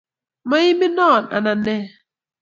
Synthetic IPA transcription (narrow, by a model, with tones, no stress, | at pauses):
ma˦ji˦mi˦nɔ˦˨na̰˨na˨ne˦